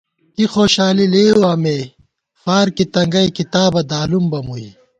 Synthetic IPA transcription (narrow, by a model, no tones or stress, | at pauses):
kixoːɕaːlileːoaːmeː | faːɾkit̪ɐŋɡɐikit̪aːbɐd̪aːlumbɐmui